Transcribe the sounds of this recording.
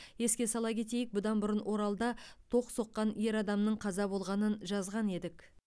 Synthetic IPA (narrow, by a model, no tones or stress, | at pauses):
je̞skʲe̞sɑlˠɑkʲʰe̞t̪e̞jɪk̚bʊd̪ɑnbʊɾənwʔo̞ɾɑlˠd̪ɑt̪ʰo̞qso̞qːɑne̞ɾɑd̪ɑmnəɴqʰɑzɑbo̞lˠʁɑnənʒɑzʁɑne̞d̪ɪk